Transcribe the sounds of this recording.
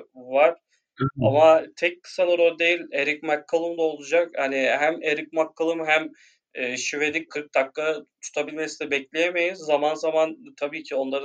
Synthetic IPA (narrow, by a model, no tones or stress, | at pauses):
vaɾ̥ | a̰mat̪ʰɛckʰːɯ̥sanuɾold̪e̞jilʲeɾicmakʰːɯlˠɯmd̪aolˠud͡ʒakhanɪɦæmeɾic̚makʰːɯlˠɯmɦæmː | ʃive̞lʲic̚kʰːɯɾk̚d̪akːat̪ʰu̥t̪ʰabilʲmesinɛbɛclʲejeme̞jizːamanzamant̪ʰabiːcʰio̞nlˠaɾɯ